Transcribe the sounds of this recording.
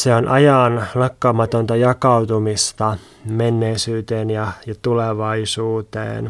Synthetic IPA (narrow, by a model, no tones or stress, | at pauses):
seonʔɑjɑːnlɑkːɑːmɑt̪ont̪ɑjɑkɑwt̪umist̪ɑ | menːeisyːt̪eːnjɑjɑt̪uleʋɑisuːt̪ḛːn